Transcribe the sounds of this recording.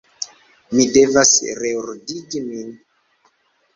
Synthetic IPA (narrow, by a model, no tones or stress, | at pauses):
mide̞vasɾeuɾdiɡimin